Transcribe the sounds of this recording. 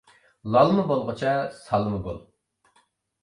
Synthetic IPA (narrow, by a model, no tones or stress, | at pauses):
lˠɑlˠmɨbolˠʁət͡ʃʰɛsɑlˠmɨɡo̰lˠ